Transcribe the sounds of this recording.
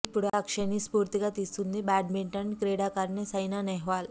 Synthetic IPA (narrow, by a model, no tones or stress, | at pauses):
puɽakʂenispuːɾt̪ikat̪isund̪ibæʈmiɳʈənkɾeɽakaɾnesəjnanɛɦʋal